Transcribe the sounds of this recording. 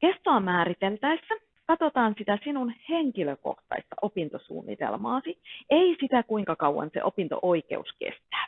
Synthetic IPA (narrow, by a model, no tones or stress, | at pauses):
kest̪oɑmæːɾit̪elt̪æisːæ | kɑt̪ot̪ɑːnsit̪æsinunheŋkiløko̰ht̪ɑ̰ist̪ɑ̰ʔopint̪osṵːnːḭt̪ḛlmɑ̰ːsieisit̪ækuiŋkɑkɑwːɑ̰nsḛʔopint̪o̰ʔoikḛuskḛst̪æ̥ː